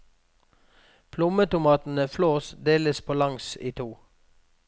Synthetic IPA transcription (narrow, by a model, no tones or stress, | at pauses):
pʰlʊmət̪ʊmɑːt̪n̩əfloːsd̪eːləspʰoːlɑŋsiːt̪ʰuː